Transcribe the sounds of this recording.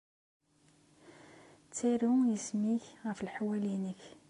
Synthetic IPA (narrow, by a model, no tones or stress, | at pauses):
t͡sːiɾujəsmiçʁæfəlħawælinəç